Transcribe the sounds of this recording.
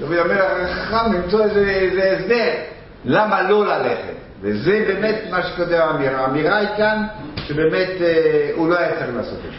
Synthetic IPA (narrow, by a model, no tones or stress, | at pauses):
d̪amid̪ameɾaʁaχaχamlimt͡soezeezeːsb̪eʁ | lamalo̞laleχḛt̪ | vezebeːmet̪maʃe̥kot̪evːmiʁaːmiʁaikanʃebeːme̞t̪euloajat͡sela̰ːso̰t̪e